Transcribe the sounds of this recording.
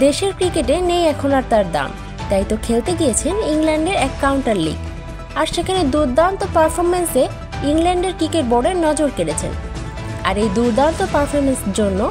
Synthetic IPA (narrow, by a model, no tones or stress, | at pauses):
d̪eʃeɾkɾikeʈenejɛkʰonaɾt̪aɾd̪a̰m | t̪ajt̪okʰelt̪eɡijet͡ɕʰeniŋlɛɳɖeɾɛkːawɳʈaɾlḭɡ | aɾʃekʰaned̪uɾd̪ant̪opaɾfʰoɾmense | iŋlɛɳɖeɾkɾikeʈ̚bɔɽenɔd͡ʑoɾkeɾet͡ɕʰḛn | a̰ɾejd̪uɾd̪ant̪opaɾfʰoɾmenseɾd͡ʑonːo